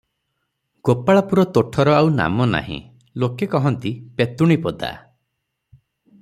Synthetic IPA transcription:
ɡ̥opaɭapuɾɔt̪oʈʰɔɾɔawna̰mɔna̰ɦḭ̃ | lokekɔɦɔnt̪ipet̪uɽ̃ipɔd̪a̰

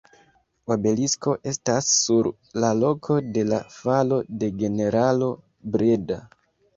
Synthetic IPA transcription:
abe̞lisko̞ʔe̞stasːuɾ | lalo̞kʰo̞de̞la̰falo̞de̞ɡe̞ne̞ɾalo̞ | bɾeda

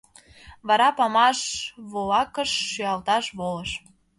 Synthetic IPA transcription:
βɑɾɑpɑmɑʃβolɑkəʃːyɑlt̪ɑʃβoləʃ

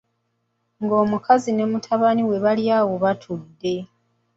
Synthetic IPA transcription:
ŋɡo̞ːmukazine̞mutʰaβaniwe̞βaljaːwo̞βatʰudːe̞

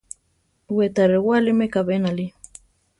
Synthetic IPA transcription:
wet̪aɾewalimekaβenali

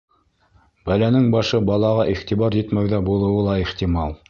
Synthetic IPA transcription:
bælænɘŋbɑʃɤbɑlˠɑʁɑʔiχt̪iβɑɾjɘt̪mæwðæbulˠɤ̆wɤlˠɑiχt̪imɑlˠ

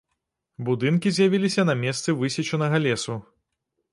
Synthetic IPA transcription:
bud̪ɨnkʲizʲjavʲilʲisʲɐnɐmʲɛst̪sɨvɨsʲit͡ʃɐnɐɣɐlʲɛsu

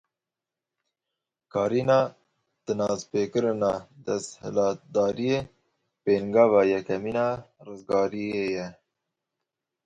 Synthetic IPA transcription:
kɑːɾinɑː | t̪ənɑːzpeːkəɾnɑd̪ɐshə̰lɑːt̪̚d̪ɑːɾije | peːŋɡɑːvɑjɛkɐminɑɾəzɡɑːɾiejɛ

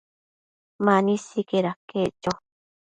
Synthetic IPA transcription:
manĩsikeɾaket͡ʃo

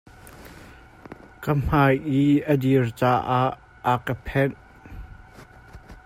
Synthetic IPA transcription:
kəm̥ajʔiʔədirt͡saːʔaʔ | əkəpʰɛn

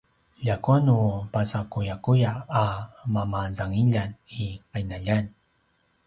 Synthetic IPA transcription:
ʎakuanupasakujakujaː | mamazaŋiʎaniqajnaʎan

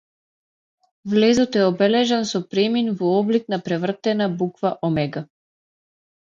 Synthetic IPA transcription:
vlɛzɔt̪ɛɔbɛlɛʒansɔpɾɛminvɔɔbliknapɾɛvr̩t̪ɛnabukvaʔɔmɛɡa

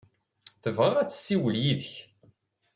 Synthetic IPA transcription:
θəvʁeʁæt͡sːə̥sːiwəljiðəç

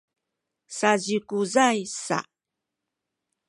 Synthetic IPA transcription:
saʑikuzajsa̰

